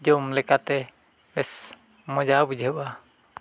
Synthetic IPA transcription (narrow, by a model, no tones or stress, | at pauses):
d͡ʒɔmlɛkat̪ɛ | mɛs | mɔd͡ʒabud͡ʒʱɛba